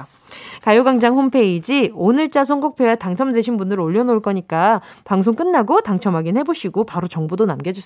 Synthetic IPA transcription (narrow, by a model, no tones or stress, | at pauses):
kajoɡaŋd͡ʑaŋɸompʰe̞id͡ʑionɯɭt͡ɕ͈as̬ʰoŋɡok̚pʰjeataŋt͡ɕʰʌmdweɕʰinbundɯɾoʎːʌnoɭk͈ʌɲik͈apaŋsʰoŋk͈ɯnːaɡotaŋt͡ɕʰʌmɦaɡinhe̞boɕʰiɡopaɾot͡ɕʌŋbudonamɡjed͡ʑos͈